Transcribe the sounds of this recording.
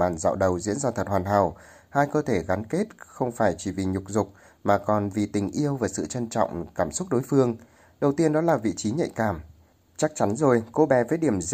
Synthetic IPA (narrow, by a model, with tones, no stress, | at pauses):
a̰ː˨˩nza̰ː˧˨wɗə˨˩wzḭ˧˥ənzaː˧t̪ʰə˨˩t̚hwaː˨˩nɦa̰ː˧˩w | haː˧jkəː˧t̪ʰe˧˩ɣa˨˦nke˦˥t̚xə˧wŋ͡mfaː˧˩jt͡ɕi˧˩vi˨˩ɲʊ˨˩k͡p̚zʊ˨˩k͡p̚ | maː˨˩kɔ˨˩nvi˨˩t̪ï˨˩ŋ̟ʔi˧əwvaː˨˩sɨ̰˧˨t͡ɕə˧nt͡ɕɔ̰˧˨wŋ͡mkaː˧˩msʊ˦˥k͡p̚ɗo˨˦jfɨ˧əŋ | ɗə˨˩wt̪i˧ənɗɔ˨˦laː˨˩vḭ˧˨t͡ɕi˨˦ɲə̰˧˨jkaː˧˩m | t͡ɕa˦˥k̚t͡ɕa˨˦nzo˨˩jko˨˦ɓɛ˨˦vəː˨˦jɗi˧˩əm